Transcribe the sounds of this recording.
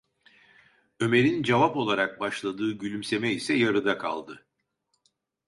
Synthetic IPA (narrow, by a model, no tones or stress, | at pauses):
ø̞me̞ɾind͡ʒavapo̞lˠaɾak̚baʃlˠad̪ɯːɟylʲymse̞mɛisɛjaɾɯd̪akʰa̰lˠd̪ɯ